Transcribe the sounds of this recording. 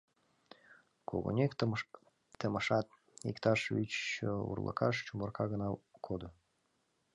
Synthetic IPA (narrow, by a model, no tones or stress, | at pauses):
kʰo̰ɣo̰nʲekː | əməʃɑt̪̚ | ikt̪ɑʃvit͡ɕṵrlʔə̰kʰɑʃt͡ɕumərkʰɑɣənɑkʰod̪o